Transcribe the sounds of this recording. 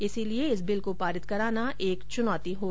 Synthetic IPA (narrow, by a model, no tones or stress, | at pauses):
ɪsilieɪsbɪlkopaːɾɪt̪kɐɾaːnaʔeːkt͡ʃʊnaːt̪iɦoː